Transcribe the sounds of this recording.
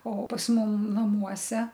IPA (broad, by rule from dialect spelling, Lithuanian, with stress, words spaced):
oː pɐs ˈmʊm nɐˈmuɔsʲɛ